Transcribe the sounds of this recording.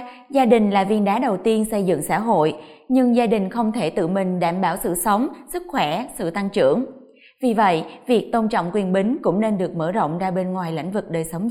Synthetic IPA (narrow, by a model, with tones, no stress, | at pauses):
zaː˧ɗï˨˩ŋ̟laː˨˩vḭ˧˩ənɗaː˨˦ɗə˨˩wt̪i˧ənsə˧jzɨ̰˧˨ŋsa̰ː˧˥ɦo̰˧˨jɲɨ˧ŋzaː˧ɗï˨˩ŋ̟xə˧wŋ͡mt̪ʰe˧˩t̪ɨ̰˧˨mï˨˩ŋ̟ɗaː˧˩mɓaː˧˩wsɨ̰˧˨sə˨˦wŋ͡msɨ˦˥k̚xwɛ˧˩sɨ̰˧˨t̪a˧ŋt͡ɕɨ̰˧˩əŋ | vi˨˩və̰˧˨jvi˨˩ək̚t̪o˧nt͡ɕɔ̰˧˨wŋ͡mkwi˨˩ənɓï˨˦ŋ̟kʊ̰˧˥ŋ͡mne˧nɗɨ˨˩ək̚məː˧˩zo̰˧˨wŋ͡mzaː˧ɓe˧nŋwaː˨˩jla̰˧˥jŋ̟vɨ˨˩k̚ɗəː˨˩jsə˨˦wŋ͡m